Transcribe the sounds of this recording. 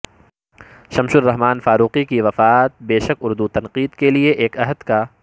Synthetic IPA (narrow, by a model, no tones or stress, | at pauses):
ʃɐmʃʊɾːɐɦmaːnfaːɾuːqikiʋɐfaːt̪̚beːʃəkʊɾd̪ut̪ɐ̃nqiːd̪kelieʔeːkɐɦəd̪ka